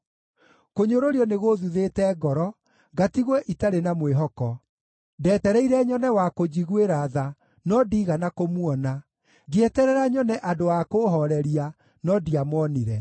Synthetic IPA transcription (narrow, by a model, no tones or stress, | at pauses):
koɲoɾoɾiɔneɣoðuðetɛɡɔɾɔ | ɡatiɣwɛʔitaɾenamweɦɔkɔ | dɛːtɛɾɛiɾɛɲɔnɛwakod͡ʑiɣweɾaða | nɔdiːɣanakomuɔna | ɡeɛtɛɾɛɾaɲɔnɛʔadoakoɦɔɾɛɾia | nɔdiamɔniɾɛ